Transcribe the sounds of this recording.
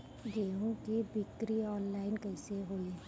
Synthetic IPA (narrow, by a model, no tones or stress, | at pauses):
ɡeːũkebɪt̪ːɾiɔːnlaːɪnkɐɪseɦoːle